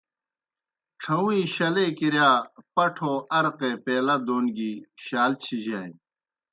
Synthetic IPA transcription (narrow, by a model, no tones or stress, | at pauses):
ʈ͡ʂʰɐwĩːɕɐlekiɾjaːpɐʈʰoːʔɐɾqepeːlɐd̪oːnɡiɕaːlt͡ɕʰid͡ʑaːj